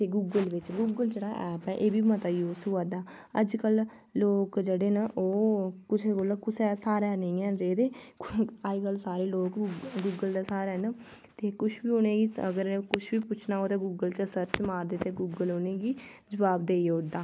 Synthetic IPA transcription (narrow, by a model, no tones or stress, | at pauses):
t̪eːɡuːɡəlʋɪt͡ʃɡuːɡəld͡ʒeːɽaːʔɛːpɛːʔeːbiːmət̪aːiʊsuːaːd̪aː | əd͡ʒkəl | loːkd͡ʒeːɽeːnaʔoːkʊt͡ʃʰekolakʊsɛːsaːɾɛːnẽːɛːɾeːd̪eː | aːiːkəlsaːɾeːloːkːɡuːɡəld̪aːsaːɾɛːn | t̪eːkʊʃʰbiːʊnẽːɡiːə̰ɡəɾkʊʃʰbiːpʊt͡ʃʰnaːoːt̪ẽːɡuːɡəlt͡ʃəsəɾt͡ʃmaːɾd̪eːt̪eːɡuːɡəlonẽːɡiː | d͡ʒəbaːb̚d̪eːʊd̪aː